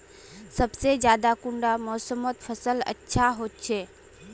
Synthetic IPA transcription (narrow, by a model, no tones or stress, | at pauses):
səbsed͡ʒjaːd̪akuɳɖamɔːsəmot̪pʰəsələ̰tːʃʰaɦot̪̚t͡ʃʰe